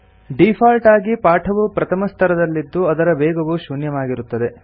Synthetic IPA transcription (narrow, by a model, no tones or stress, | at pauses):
ɖipʰaːlʈaːɡipaːʈʰɐʋupɾɐt̪ʰɐmɐst̪ʰɐɾɐd̪ɐlːid̪ːuɐd̪ɐɾɐbeːɡɐʋuʃunjɐʋaːɡiɾut̪ːɐd̪e̞